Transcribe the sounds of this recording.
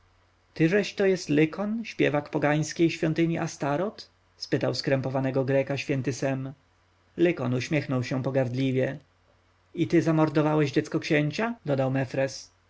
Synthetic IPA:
t̪ɘʐɛɕt̪ɔjɛst̪lɘkʰɔnɕpʲjɛvakpɔɡaj̃skʲejɕfʲjɔnt̪ɘɲiʔast̪aɾɔt̪ | spɘt̪awskɾɛmpɔvanɛɡɔɡɾɛkaɕfʲjɛnt̪ɘsɛm | lɘkɔnuɕmʲjɛxnɔwɕɛpɔɡaɾd̪lʲivʲjɛ | it̪ɘzamɔɾd̪ɔvawɛʑd͡ʑɛt̪skɔkɕɛɲt͡ɕad̪ɔd̪awmɛfɾɛs

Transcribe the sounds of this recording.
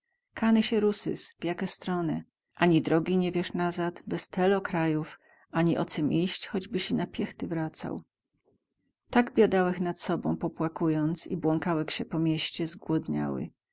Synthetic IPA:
kʰanɛɕɛɾusɘ̰sv̥jakʲɛst̪ɾɔnɛ | ʔaɲid̪ɾɔɡʲiɲɛvʲjɛʂnazat̪bɛst̪ʰɛlɔkɾajuf | aɲiʔɔ̰t̪sɛmʔiɕt͡ɕxɔd͡ʑbɘɕɛnapʲjɛxt̪ɘvɾat̪sa̰w | t̪aɡbʲjad̪awɛxnat̪sɔbɔ̃w̃pɔpwakujɔnt̪sḭbwɔŋkawɛxɕɛpɔmʲjɛɕt͡ɕɛzɡwɔd̪ɲa̰wɘ̰

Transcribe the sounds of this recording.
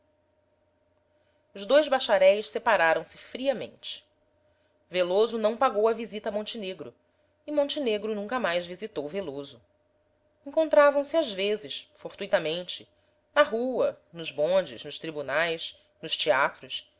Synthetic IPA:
ʊzd̪ojzbaʃaɾɛjʃsepaɾaɾɐ̃w̃sɪfɾiɐmḛ̃nt͡ʃɪ̥ | velozʊnɐ̃w̃paɡowɐvizit̪ɐmõnt͡ʃineɡɾʊ | imõnt͡ʃineɡɾʊnũŋkɐmajzvizit̪owvelozʊ | ẽŋkõnt̪ɾavɐ̃w̃sɪazvezɪʃfoɾt̪uijt̪ɐmẽnt͡ʃɪ | nɐɦuɐnʊzbõnd͡ʒɪznʊʃt̪ɾibunajʃ | nʊʃt͡ʃiat̪ɾʊs

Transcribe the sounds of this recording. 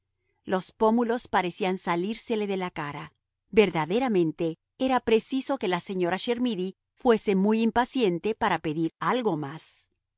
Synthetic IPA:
lo̞spo̞mulo̞spaɾe̞siansaliɾse̞le̞ðe̞lakaɾa | be̞ɾðaðe̞ɾamẽ̞nt̪e̞ | eɾapɾe̞siso̞ke̞lase̞ɲo̞ɾaʃe̞ɾmiði | fwe̞se̞mujimpasje̞nt̪e̞paɾape̞ðiɾalɣo̞mas

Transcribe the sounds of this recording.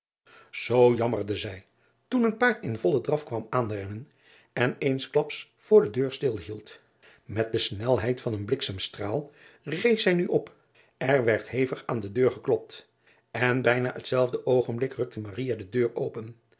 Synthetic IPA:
z̥owjɑmərdəzɛj | tunənpaːɹtɪnvɔlˠədrɑfkʋɑmaːnrɛnən | ɛnejnsklɑps | fʊːɹdədøːɹstɪlˠɦilˠt | mɛt̚dəsnɛlˠɦɛjtfɑnənblɪksamstraːlˠ | rejsɛjnyʔɔp | ɛɹʋɛɹtɦejfəχaːndədøːɹχəklɔp̚t | ɛnbɛjnaːətsɛlˠvdəʔowχənblɪkrɵk̚təmarijadədøːɹowpən

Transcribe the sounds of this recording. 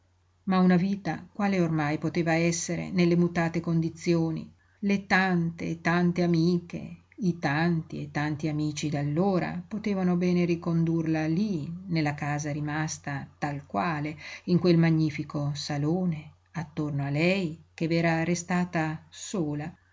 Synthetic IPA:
maunaviːt̪akwaːleormajpot̪eːvaɛsːeɾḛnelːemut̪aːt̪ekond̪it̪sːjoːnḭ | let̪ant̪ḛːt̪ant̪eamiːkḛ | it̪ant̪iet̪ːant̪iamiːt͡ʃid̪alːoːɾa̰pot̪eːvanobɛːneɾikond̪urlalinelːakaːzaɾimast̪at̪alkwaːleiŋkwelmaɲːiːfikosaloːne | at̪ːornoalɛjkevɛːɾaɾest̪aːt̪asoːla

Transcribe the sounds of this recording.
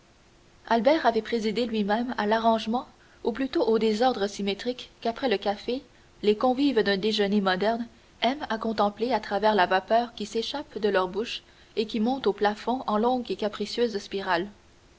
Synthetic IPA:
albɛːʁavɛpχezid̪elɥimɛ̃malaʁɑ̃ʒmɑ̃ | uplyt̪oʔod̪ezɔʁd̪ʁəsimet̪χikːapχɛləkafe | lekɔ̃vivd̪ɛ̃d̪eʒənemɔd̪ɛʁn | ɛmakɔ̃t̪ɑ̃pleat̪χavɛːʁlavapœːʁkʲiseʃapd̪əlœʁbuʃ | ekʲimɔ̃t̪oplafɔ̃ʔɑ̃lɔ̃ɡekʲapχisjøːzspiʁal

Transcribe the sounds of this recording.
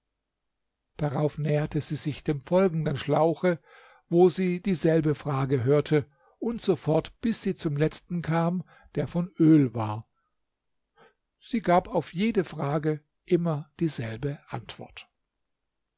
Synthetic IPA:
d̥aʁaʊfnɛːɐtʰəziːzɪçd̥eːmfɔlɡŋ̩dənʃlaʊxə | voːziːd̥iːzɛlbəfʁ̥aːɡəɦøːɐtʰə | ʔʊntz̥ofɔɐtb̥ɪsz̥iːt͡sʊmlɛt͡stn̩kʰaːm | d̥eːɐfɔnʔøːlvaːɐ | z̥iːɡaːpaʊfjeːdəfʁ̥aːɡə | ʔɪmɐd̥iːzɛlbəʔantv̥ɔ̰ɐt

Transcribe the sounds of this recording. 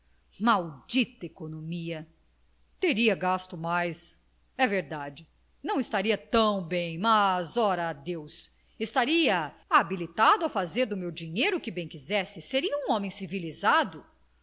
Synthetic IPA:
mawd͡ʒit̪ɐekonomiɐ | t̪eɾiɐɡast̪ʊmajs | ɛveɾd̪ad͡ʒɪ | nɐ̃w̃ɪst̪aɾiɐt̪ɐ̃w̃bẽj̃mɐzɔɾɐːd̪ews | ɪst̪aɾiɐabilit̪ad̪ʊɐfazeɾd̪ʊmewd͡ʒiɲejɾʊkɪbẽj̃kizɛsɪseɾiɐũɔ̃mẽj̃sivilizad̪ʊ

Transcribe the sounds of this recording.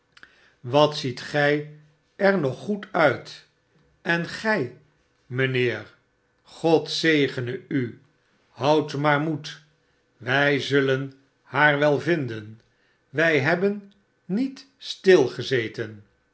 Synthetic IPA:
ʋɑtsitχɛj | ɛɹnɔχːutʰœɥt | ɛnχɛj | mənɪːɹ | χɔtsejχənəy | hʌwtmaːɹmut | ʋɛjzɵlən | haːɹʋɛlˠvɪndən | ʋɛjɦɛbənː | it | stɪlˠχəzejtən

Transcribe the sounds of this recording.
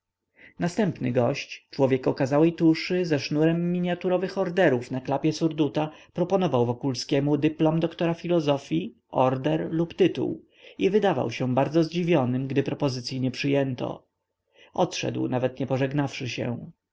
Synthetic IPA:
nast̪ɛmpnɘ̰ɡɔɕt͡ɕt͡ʂwɔvʲjɛkɔkazawɛjt̪uʂɘzɛʂnuɾɛmːʲiɲjat̪uɾɔvɘxɔɾd̪ɛɾufnaklapʲjɛsuɾd̪ut̪apɾɔpɔnɔvawvɔkulskʲɛmud̪ɘplɔmd̪ɔkt̪ɔɾafʲilɔzɔfʲji | ʔɔɾd̪ɛɾlupt̪ɘt̪ṵw | ivɘd̪ava̰wɕɛ̃baɾd̪zɔzd͡ʑivʲjɔnɘmɡd̪ɘpɾɔpɔzɘt̪sʲjiɲɛpʂɘjɛnt̪ɔ̰ | ʔɔt̪ʂɛ̰d̪wnavɛt̪ɲɛpɔʐɛɡnafʂɘɕɛ̰

